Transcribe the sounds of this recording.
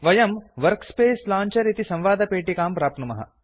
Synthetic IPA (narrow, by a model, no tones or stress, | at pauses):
ʋɐjɐmʋɐɾkspeːslaːɲt͡ʃɐɾit̪isɐ̃mʋaːd̪ʱɐpeːʈikaːmpɾaːp̚t̪numɐ̰ɦɐ̰